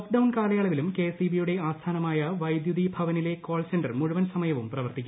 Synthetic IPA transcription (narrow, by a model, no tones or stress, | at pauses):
okɖɐwnkaːlɐjaːɭɐʋilumkeːsibijuɽe̞aːst̪ʰaːnɐmaːjɐʋɐjd̪juðibʱɐʋɐnile̞ko̞ːlsenɖɐrmuɻuʋɐnsɐmɐjɐʋumprɐʋɐrt̪ikʲːm